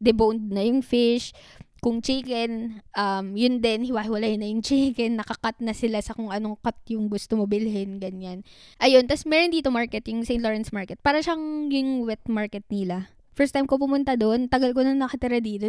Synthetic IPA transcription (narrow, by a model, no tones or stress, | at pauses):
d̪ɛbownd̪̚nɐjʊŋfɪʃkʊŋt͡ʃikɛnʔɐmjʊnd̪ɛnhɪwahɪwɐlajnːɐjʊŋt͡ʃikɛnːɐkɐkat̪̚nɐsɪlasɐkʊŋʔɐno̞kat̪̚jʊŋɡʊst̪omobɪlɦɪnɡɐɲanʔɐjo̞nt̪ɐsmɛːɾond̪iːt̪omaɹkɛt̪jʊŋsɛjnt̪loɹɛnsmaɹkɛt̪̚paːɾɐʃaŋjʊŋwɛt̪̚maɹkɛt̪̚nɪla | fɛɹst̪ajmkopʊmʊnt̪ad̪o̞nt̪ɐɡɐlkonɐŋnɐkɐt̪ɪɾad̪iːt̪o